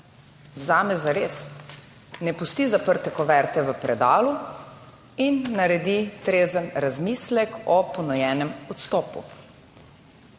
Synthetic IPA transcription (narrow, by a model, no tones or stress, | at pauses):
wzaːmɛzaɾeːs | nɛpust̪izapəɾt̪ɛkɔʋɛɾt̪ɛʋəpɾɛd̪aːlu | inːaɾɛd̪it̪ɾeːzənɾazmislɛkɔpɔnɔjɛːnɛmɔt̪st̪ɔːpṵ